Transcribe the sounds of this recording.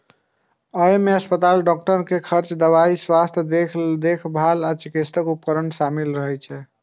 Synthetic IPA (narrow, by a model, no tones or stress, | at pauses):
əjmeəspət̪alɖɔk̚ʈəɾkekʰəɾt͡ʃd̪əβaiswast̪ʰjəd̪ekʰd̪ekʰbʱalat͡ʃikist̪ʰəkup̚kəɾənʃamilɾəɦɛt͡ʃʰɛ